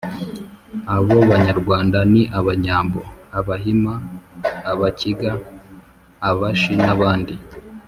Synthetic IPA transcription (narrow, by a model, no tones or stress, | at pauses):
aβo̞βaɲaɾɡwaːndaniʔaβaɲaːmbo̞̰aβaɦimaː | βaciɡaː | βaʃinaβaːndi